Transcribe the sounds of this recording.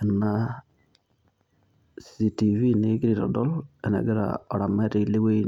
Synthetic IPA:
ɛ˨na | ssi˨tivi˦ne˨˦ɡɪ˦ɾi˨ɾɔ̰dɔ˦lɛ˨nɛ̰˨˦ɡɪ˦ɾa̰ɔ˨ɾa˨mɛ˦ɾi˨lɪ˦we˦

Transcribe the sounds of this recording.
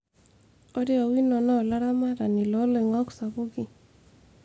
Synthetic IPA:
o˦ɾe˦o˨wi˦nɔ˨nɔ˦˨la˦ɾa˦ma˦ɾa˨ni˨lɔ˦le˨ŋɔ˦ksa˨bu˦ki˦

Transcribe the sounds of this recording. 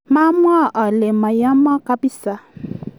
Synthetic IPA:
ma˦mwa˦˨ʔa˨lɛ˨ma˨ja˦ma˦ka˦pi˦sa˦

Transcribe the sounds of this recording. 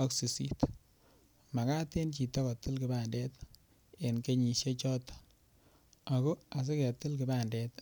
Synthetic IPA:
ɔ˦ksi˨sḭ˨t | ma˨ka˦te˦nt͡ʃi˨tɔ˦kɔ˨tɪ˦lkɪ˨ba˨ndɛ˦t | e˨nke˦ɲi˨ʃje˦t͡ʃɔ˦t | a˨ko˦a˨s̬ɪ˦kɛ˨tɪ˦lkɪ˨ba˦˨ndɛ˨t

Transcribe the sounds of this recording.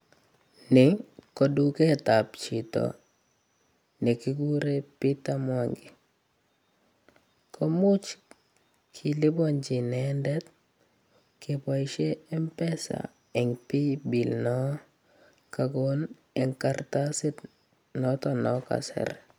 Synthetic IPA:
nɪ˨ŋkɔ˨du˦kɛ˦ta˨p̚t͡ʃi˨tɔ̰˨ | nɛ˨ki˦ɡu˦ɾe˦pi˦ta˦mwaŋɡɪ˨ | kʰɔ˦mʊ˦t͡ʃ | kʰi˨lɪ˦bɔ˦ɲd͡ʒi˨nɛndɛ˦t̪̚ | kɪpa˨ɪʃe˦ɛ˦mpɛ˦sa̰˨ | ɛ˨ŋpi˦bi˨lnɔ˦ | kaɡɔn | ɛ˨ŋka˨rtasɪ˦t̚ | nɔ˦tɔ˨nɔka̰sɛ̰˨ɾ

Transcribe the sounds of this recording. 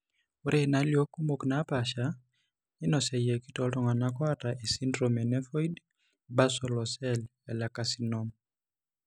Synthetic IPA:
u˦ɾʔena˦ljo˦ku˦mokna˦paʃa | i˦nɔ˨sɛ˨jɛ˨ki˦tɔtɔ˨ŋwa˨na˦kwa˦ta˨ʔe˨si˦ndɾɔmɛnɛ˦fɔ˦id | ba˦sɔlɔ˨sɛlɛ˨la˨kasinɔm

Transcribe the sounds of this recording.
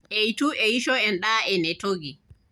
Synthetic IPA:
ʔɛjitu˦ʔɛji˦ʃɔ˦ɛnɗaː˦ʔɛnɛ˨toɡi˨

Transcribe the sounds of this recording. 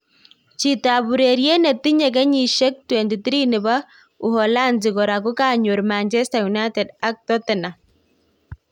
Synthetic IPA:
t͡ʃi˨taβu˨ɾeɾjɛ˦nɛ˨ti˦ɲɛ˨k̬ɛ˦ɲi˨ʃɛ˦k̚twɛnti˨t̪ɾi˦nɪ˨βa˦ | u˨hɔla˦nd͡ʒɪkɔ˨ɾa˨ku˦ka˨ɲo˨ɾmant͡ʃɛ˦stajuna˦tɛda˦k̚tɔ˦tɪna˨

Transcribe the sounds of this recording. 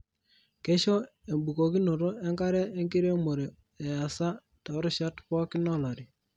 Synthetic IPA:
ke˦ʃo˦e˨mbu˨ko˨ki˦no˨ɾo˦ɛ˦ŋka˦ɾɛ˦e˦ŋɡi˦ɾe˦mo˨ɾe˨ | e˨a˨sa˦ | ta˨˦ɾɪ˦ʃa˦tpɔ˦kɪ˦nɔ˦˨la˨ɾi˨

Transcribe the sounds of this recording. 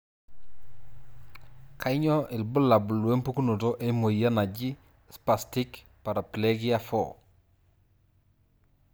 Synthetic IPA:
kʰa˦i˦ɲɔ˦ʔɪ˨lbʊ˦la˨bu˨lwe˦mpu˦ku˦nu˨to˦ʔe˦mo˨ja˦na˨d͡ʒi˦ | spa˨stɪ˦k | pa˨ɾa˨ple˦ɡɪ˦ja˦fɔ̰˨

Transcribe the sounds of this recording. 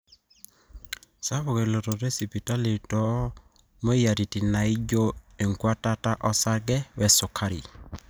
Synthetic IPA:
sa˦βo˨ɣe˨lo˨tɔ˨ɾe˦si˨pi˨ta˦le˨tɔ˨˦ | mo˦ja˨ɾi˨ti˨na˨i˦d͡ʒo˦e˨ŋkwa˦ta˦ta˦ʔɔ˦sa˦ɡɛ˦wɛ˨so˨kʰa˦ɾḭ˨

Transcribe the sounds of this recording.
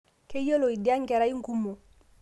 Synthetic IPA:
ke˦je˦lo˨i˨di˦a˦ŋ˦kɛ˨ɾa˦i˦ŋ̩˦ku˦mo˨

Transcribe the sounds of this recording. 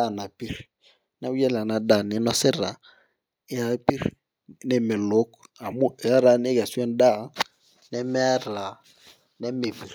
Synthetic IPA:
a˦˨na˨pi˦ɾ | na˦wu˦jɛ˦la˨na˨da˨nɪ˨˦nɔ˦sɪ˦ɾa˨ | ɪ˦a˨˦pi˦ɾ | nɛ˨mɪ˨lo˦ka˨mu˦˨a˦ɾa˨n˦e˦ka˨su˦ɛ˦n˦da˦˨˦ | nɛ˦mɛ˦a˦ɾa˨ | nɛ˦me˨vi˨ɾ

